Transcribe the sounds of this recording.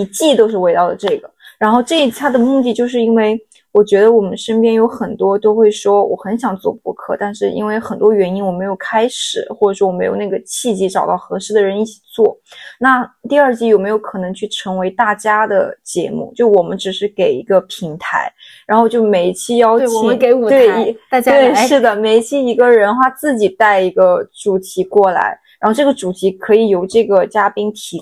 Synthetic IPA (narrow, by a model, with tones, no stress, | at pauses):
i˧˥t͡ɕi˥˩t̪o˥ʊʂ̬ɻ̩˥˩we˧˥ɪt̪ɑ˥˩ʊlə˩ʈ͡ʂɤ˥˩ɡə˩ɻa˧˥nxo˥˧ʊʈ͡ʂɤ˥˧i˥˩t͡ɕʰa˥d̪ə˨mu˥˧t̪i˥˧t͡ɕjo˥˧ʊʂ̬ɻ̩˥˩i˥nwe˥˩ɪ | wɔ˨˩t͡ɕɥɛ˧˥d̪ə˧wɔ˨˩mə˦nʂə˥npjɛ˥njo˧˥ʊxə˨˩nt̪wɔ˥t̪o˥ʊxwe˥˩ɪʂwɔ˥wɔ̰˨˩xə˧˥nɕjɑ˨˩ŋt͡swɔ̰˥˩pɔ̰˧˥kʰɤ̰˥˧t̪a˥˧nʂɻ̩˥˩ʔḭ˥nwe˥˩ɪxə˨˩nt̪wɔ˥ɥɛ˧˥ni˥nwme˧˥ɪjo˨˩kʰa˥ɪʂɻ̩˨˩˦xwɔ˥˩ʈ͡ʂʂwɔ˥wɔ˨˩m˧˥ɪjo̰˨˩na˥˩ɡə˩t͡ɕʰi˥˩t͡ɕi˧˥ʈ͡ʂɑ˨˩ʊt̪ɑ˥˩ʊxɤ˧˥ʂɻ̩˥˩d̪ə˨ɻə˧˥ni˥˩t͡ɕʰi̥˨˩t͡swɔ˥˩na˥˧t̪i˥˧ɐ˞˥˧t͡ɕi˥˩jo˨˩ʊme˧˥ɪo˧˥ʊkʰɤ˨˩nɤ˧˥ŋt͡ɕʰy˥˩ʈ͡ʂʰɤ˧˥ŋwe˧˥ɪt̪a˥˩t͡ɕja˥d̪ə̰˨t͡ɕjɛ̰˧˥mṵ˥˩t͡ɕjo˥˩wɔ˨˩mə˦nʈ͡ʂɻ̩˨˩ʂɻ̩˥˩ke˨˩ɪi˧˥ɡə˧pʰi˧˥ŋt̪ʰa̰˧˥ɪ | ɻa˧˥nxo˧ʊt͡ɕjo˥˩ʊme˨˩ɪ˥t͡ɕʰi˥jɑ˥ʊ˨i˨˩˦ŋke˧˥ɪu˨t̪we˥˩ɪ˧˥a˥˧we˥˩ɪʂɻ̩˥˩d̪ə˩me˧˥ɪt͡ɕʰi˥i˧˥ɡə˧ɻə˧˥nxwa˥˧t͡sɹ̩˥˩t͡ɕi˨˩t̪a˥˩ɪi˧˥ɡə˧ʈ͡ʂu˨˩t̪ʰi˧˥kwɔ˥˩la̰˧˥ɪɻa˧˥nxo˥˧ʊʈ͡ʂɤ˥˩ɡə˩ʈ͡ʂu˨˩t̪ʰi˧˥kʰɤ˧˥i˨˩jo˧˥ʊʈ͡ʂɤ˥˩ɡə˩t͡ɕja˥pi˥nt̪ʰi˧˥